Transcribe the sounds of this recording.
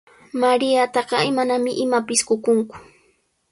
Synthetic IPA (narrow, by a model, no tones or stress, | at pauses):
maɾɪjat̪ɑɢɑɪmanamɪʔɪmapɪskʊkʊŋkʊ̥